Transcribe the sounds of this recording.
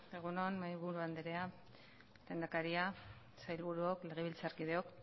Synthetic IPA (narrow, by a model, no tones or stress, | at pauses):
e̞ɣ̞unoanmajβuɾuand̪eɾe̞a | lend̪akaɾia | sajlβuɾuokle̞ɣ̞e̞βilt͡saɾkiðe̞o̞k